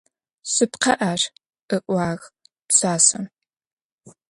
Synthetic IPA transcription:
sɨpqɐʔaːr | ʔɨʔʼʷaːɣ | psaːsɐm

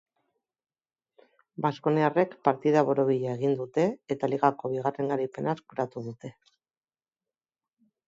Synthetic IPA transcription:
basko̞neare̞kpaɾt̪iðaβo̞ɾo̞βiʎaeɣind̪ut̪e̞ːt̪aliɣako̞β̞iɣare̞ŋɡaɾipe̞naskuɾat̪uðut̪e̞

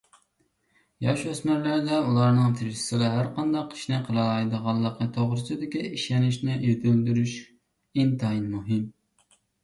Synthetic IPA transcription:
jɑʃøsmæɾlæɾɪd̪ɛulˠɑɾnɨŋt̪ʰɪɾsɪ̥sɪlɑɦæɾqʰɑnd̪ɑqʰːi̥ʃnɪqʰəlˠɑɑjd̪əʁɑlˠːəqnət̪ʰoʁɾɨsɨd̪ɪkʲiiʃɛnɪʃnɪjøt̪ʰyld̪yɾyʃ | int̪ʰɑinmuɦɨm

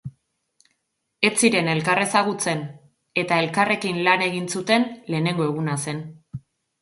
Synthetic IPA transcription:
e̞t͡siɾe̞ne̞lkare̞saɣut͡se̞n | e̞t̪ae̞lkare̞kinlane̞ɣ̞insut̪e̞nle̞ːne̞ŋɡo̞e̞ɣunase̞n

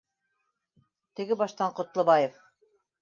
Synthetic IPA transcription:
t̪ɘ̆ɡɘbɑʃt̪ɑɴqŏt̪lˠɤ̆bɑjef

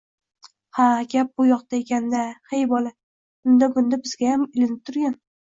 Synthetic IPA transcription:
haɡʲap̚bʊjɒqt̪aekʲʰand̪ahejbɒlˠa | bʊnd̪abʊnd̪abɪz̥ɡʲajamɪlɪnɪp̚t̪ʰʊɾɡʲan

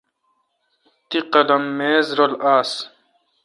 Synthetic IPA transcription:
t̪iqɐlɐmːeːzɾolaːs

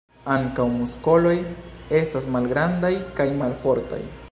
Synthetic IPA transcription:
aŋkawmusko̞lo̞je̞stasmalɡɾand̪ajkajmalfo̞ɾt̪a̰j

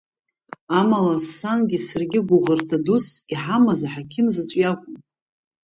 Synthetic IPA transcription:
amalasanɡʲɪsɨrɡʲɪɡʷʊʁərtʰadusiħamazaħakʲʰɪmzɨt͡ʃʷʼjakʷʼʊm

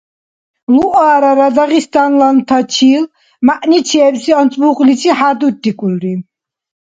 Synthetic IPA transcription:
luʔaːɾaɾad̪aʁist̪anlant̪ʰat͡ʃʰil | maʔnit͡ʃʰɛːbsiant͡sʼbuχlit͡ʃʰʼiħad̪ud̪ːikʼulɾi

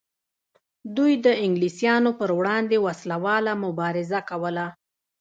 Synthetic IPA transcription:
d̪ujd̪əɪŋɡlisjɑnopəɾwɽɑnd̪ewaslawɑlamʊbɑɾɪzakawəla

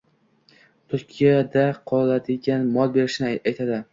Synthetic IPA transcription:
t̪ʰʊɾkʲʰijad̪aqʰɒlad̪ɪɡʲanmɒlˠbe̞ɾɪʃnɪajt̪ʰad̪ɪ

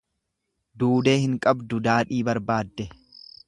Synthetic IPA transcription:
d̪uːd̪e̞ːhɪŋkʼɐbd̪ʊd̪aːᶑiːbɐɾbaːd̪ːɛ

